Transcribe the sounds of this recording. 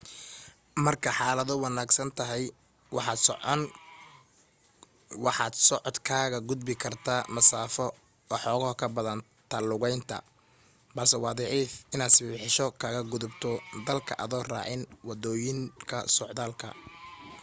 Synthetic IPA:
mɐrkʰɐħɑːlɐðɔwɑnaːɡsɐnt̪ʰɐɦɛj | wɑħɑːd̪sn | wɑħɑːd̪sɔʕɔd̪kʰaːɣɐɡʊd̪bɪkʰɐrt̪ʰaːmɐsaːfɔ | ɔːħɔːɣɔhkʰɐbɐðɐn | t̪ʰɐlʊɣɛjnt̪ʰɐ̰ | bɐlsɛwɑːðɑʕiːfɪnaːd̪sɪħɪʃɔkʰaːɣɐɡʊðʊbt̪ʰɔd̪ɐlkʰɐʔɐðɔːra̰ːʕɪnwɑd̪ɔːjɪŋkʰɐsɔʕðaːlkʰɐ̰

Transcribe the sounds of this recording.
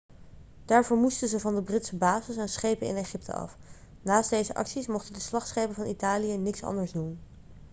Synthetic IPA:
d̥aːɹvoːɹmustəzəvɑndəbrɪtsəbaːzɪsɛnsχejpənɪ̰neχɪp̚tʰə̰ɑ̰f | naːst̚dejzəʔɑ̰ksismɔχtədəslɑχtsχejpəvɑnitaːlijənɪksɑ̰ndəɹzdun

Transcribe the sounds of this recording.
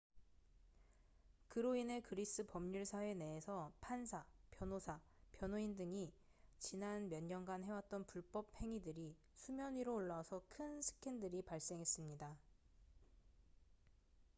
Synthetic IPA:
kɯɾoine̞kɯɾis͈ɯpʌmɲuɭsʰae̞ne̞esʰʌpʰansʰapjʌnosʰa | pjʌnoindɯŋi | t͡ɕinanmjʌɲɲʌnɡanɦe̞wat̚t͈ʌnpuɭp͈ʌp̚he̞ŋidɯɾi | sʰumjʌɲiɾoːɭːasʰʌkʰɯnsʰɯ̥kʰendɯɾipaɭs͈e̞ŋɦe̞s͈ɯmɲida

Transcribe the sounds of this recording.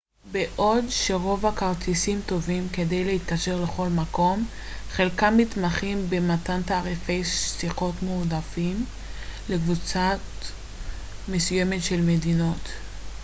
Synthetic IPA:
beʔo̞dʃe̞ʁo̞vakaʁtʰisimto̞vimke̞dejleit̪kaʃe̞ʁle̞χo̞lmako̞m | χe̞lkamːit̪maχimbematantaːʁife̞jʃsiχo̞tmudafim | le̞kvut͡sat | me̞sujemetʃe̞lmedino̞t

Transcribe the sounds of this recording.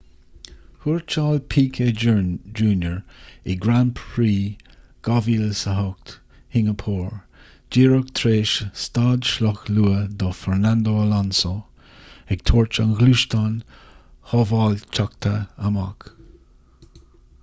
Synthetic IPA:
huɹt͡ʃaːlpʰiːkʰed͡ʒuːnjəɹɪɡɾanpʰɹiːɡ̥ɑviːlsəɦʊk̚t̪ | hɪŋəpʰuːɹ | d͡ʒiːɹəkt̪ʰɾeːʃst̪ɑːd̪ʃlɔxluːəd̪ɔfɛɹnand̪oːalanso | ɛɡ̚t̪ʰuːɹt͡ʃanɣluʃt̪anhɔvɑːlt͡ʃʰakt̪ʰəəma̰k

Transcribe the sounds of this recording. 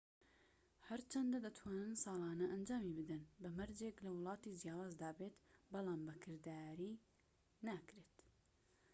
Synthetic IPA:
hɐɾt͡ʃʰɐnd̪ɐd̪ɐt̪ʰwaːnɨnsɑːlˠɑːnɐʔɐnd͡ʒaːmiːbɨd̪ɨnbɐmɐɾd͡ʒeklɐwɨlˠɑːt̪iːd͡ʒijaːwaːzd̪aːbeːt̪bɑlˠɑːmbɐkʰɨɾd̪aːɾiː | naːkɾet̪

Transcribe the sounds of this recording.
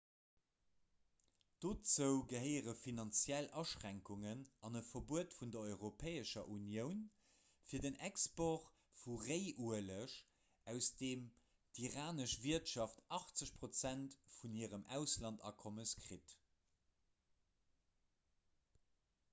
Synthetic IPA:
d̥oːt͡səʊɡəɦəɪəʁəfinɑnt͡sjælɑʃʁæŋkuŋənɑnəfɐbuətfundɐɔʏʁopʰɛːəʃɐʔunjəʊn | fiːɐdənɛkspoʁ | fuʁeɪʔuələʃ | ʔæʊsd̥eːm | d̥iʁaːnəʃviɐtʃɑftɑχt͡səɕpʁ̥ot͡sæntfuniːʁəmʔæʊslɑntɑ̰ːkʰɔməskʁit

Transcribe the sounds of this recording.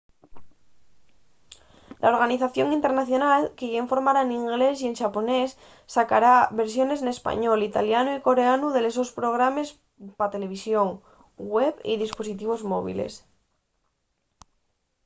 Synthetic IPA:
lʔao̞ɾɣaniθaθjo̞ŋint̪e̞ɾnaθjo̞nalkeʝeɱfo̞ɾmaɾaeniŋɡle̞s̬ie̞nʃapo̞ne̞sː | akaɾaβe̞ɾsjo̞ne̞sne̞spa̰ɲo̞lit̪aljanuiko̞ɾe̞anuðe̞les̬o̞spɾo̞ɣ̞ɾame̞s | pat̪e̞le̞β̞isjo̞ŋ | ɡweβḭðispo̞sit̪iβ̞o̞zmoβ̞ḭlḛs

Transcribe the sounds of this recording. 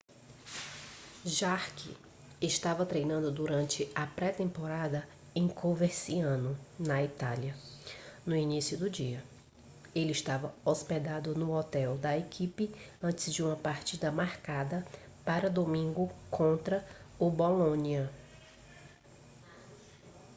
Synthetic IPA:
ʒaɾkɪ̰ | ɪʃt̪avɐt̪ɾejnɐ̃nd̪ʊd̪uɾɐ̃nt͡ʃɪɐpɾɛt̪ẽmpoɾad̪ɐ | ẽj̃koveɾsiɐ̃nʊnɐit̪aljɐ | nʊinisijʊd̪ʊd͡ʒiɐ | elɪɪʃt̪avɐosped̪ad̪ʊnʊɔt̪ɛwd̪ɐekʰipɪɐ̃nt͡ʃɪzd͡ʒɪũmɐpaɾt͡ʃid̪ɐmaɾkad̪ɐ | paɾɐd̪omĩŋɡʊkʰõnt̪ɾɐʊbolõniɐ

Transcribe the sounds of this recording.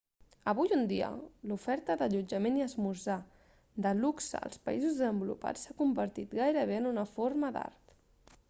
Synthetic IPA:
əβujund̪iə̰lufɛɾt̪əðəʎud͡ʒəmeniəzmuza | d̪əluksə̰ə̰lˠspə̰izuzðəzəmbulṵpa̰t͡sːakumbəɾt̪it̪ɡajɾəβ̞eənunəfoɾməd̪a̰ɾt̪

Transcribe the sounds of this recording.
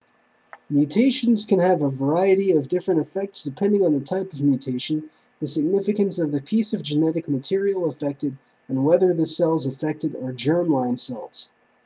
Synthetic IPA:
mjʉtʰeɪʃɨ̃nz̥kʰɨ̃nɨvəvə˞aɪɨɾiʌvdɪfɹɨ̃ñtɨfɛk̚tsd̥ɨpʰɛ̃ndɪ̃ŋə̃nðətʰaɪpʌvmjʉtʰeɪʃɨ̃n̩ | ðɨsɨɡ̚nɪfɨkɨ̃nsʌvðɨpʰisʌvd͡ʒɨnɛɾɨk̚mɨtʰɪɹil̩ˠəfɛk̚tɨɾ | ɨ̃nwɛðə˞ðɨsɛlˠzəfɛk̚tɨɾə˞d͡ʒɜ̃˞mlãɪ̃nsɛ̰lˠz̥

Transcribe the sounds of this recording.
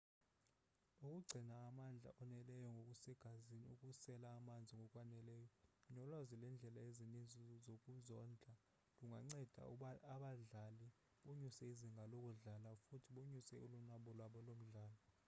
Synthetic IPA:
ukʼuɡ͡ǀʱinaːmand͡ɮʱa̰ʔɔnɛlɛjɔŋɡʱokʼusɛɡ̥ʱaziniukʼusɛlaːmand͡zʱiŋɡɔkʼwanɛlɛːjɔɲɔlwazilɛnd͡ɮʱɛlaezinind͡zʱɔzokʼuzɔnd͡ɮʱa | luŋɡʱaŋ͡ǀɛd̥ʱa̰aɓaɮali | ɓoɲusɛiziŋʱalok̬ʼuɮalafutʰiɓoɲusɛulunaɓɔlwaɓɔlom̩ɮaːlɔ

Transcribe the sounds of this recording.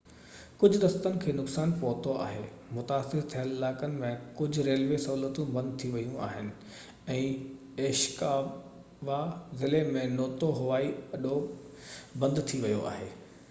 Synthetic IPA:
kʊd͡ʑʱʊd̪ɐst̪ənɪ̆kʰeːnʊksaːnpɐɦt̪oa̰ːɦeː | mʊt̪aːsɪɾt̪ʰijəlɪlaːkənɪ̆mẽkʊd͡ʑʱʊɾeːlʋesɐɦuːlət̪ũbɐ̃nd̪̚t̪ʰiʋɐjũa̰ːɦɪnɪ̆ | ɛ̃ː | eːʃkaː | ʋazɪlemẽnoːt̪oɦʊʋaːiɐɗo | bɐ̃nd̪t̪ʰiʋɐjoa̰ːɦeː

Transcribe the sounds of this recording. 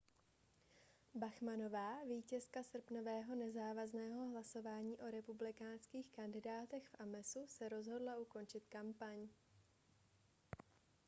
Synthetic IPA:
baxmano̞vaːviːcɛskasr̩pno̞vɛːɦo̞nɛzaːvaznɛːɦo̞ɦlaso̞vaːɲiːʔo̞ɾɛpublɪkaːnskiːxkandɪdaːt̪ɛxfʔamɛsusɛɾo̞zɦo̞dlaʔuko̞nt͡ʃɪt̪kampaɲ

